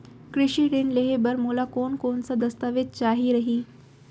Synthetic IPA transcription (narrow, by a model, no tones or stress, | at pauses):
kɾɪʃiɾɪnleɦebəɾmuːlakoːnkoːnsad̪ɐst̪aʋɪd̪̚t͡ʃaːɦiɾɐɦiː